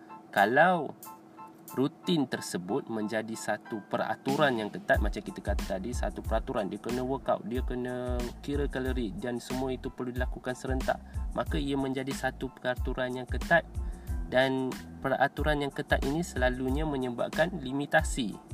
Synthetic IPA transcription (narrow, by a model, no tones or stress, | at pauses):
kalaw | rut̪ɪnt̪ərsəbʊt̪̚mə̃ɲd͡ʒadisat̪upəra̰t̪uɾanjaŋkət̪at̪̚mat͡ʃamkit̪akat̪at̪adisa̰t̪upəɾat̪uɾandiakənə̃wəka̰wdiakənə̃kiɾəkələɾidansəmũait̪upərludilakukansəɾənt̪a̰ʔmakaiamə̃ɲd͡ʒadisat̪upərat̪uɾanjaŋkət̪at̪̚danpəra̰t̪uɾanjaŋkət̪at̪̚inisəlaluɲamə̃ɲəba̰ʔ̚kanlimit̪asḭ